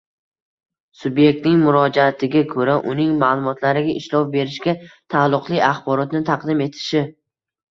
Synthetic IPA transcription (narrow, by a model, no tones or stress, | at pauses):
sʊbje̞k̚ʲt̪nɪŋmʊɾɒd͡ʒaːt̪ʰɪɡʲakʰɵɾaʔʊnɪŋmaːlˠʊmɒt̪ʰlaɾɪɡʲaʔɪʃlɒwbe̞ɾɪʃɡʲat̪ʰalˠːʊqlˠɪaχbɒɾɒt̪nɪt̪ʰaqd̪ɪme̞t̪ʰɪ̥ʃɪ